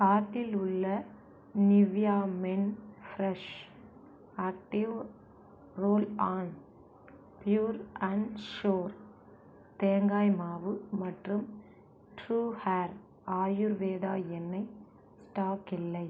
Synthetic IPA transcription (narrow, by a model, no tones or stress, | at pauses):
aːʈːɪlʊɭːɐ | nɪʋjaːmɛnfɾɛʂ | aːk̚ʈɪʋ | ɾoːlaːn | pjuːɾɐɳʂoːɾ | t̪eːŋɡaːjmaːʋɯmɐʈrɯm | ʈɾuːhaːɾ | aːjɯɾʋeːðaːɛnːɐɪ | sʈaːkɪlːɐɪ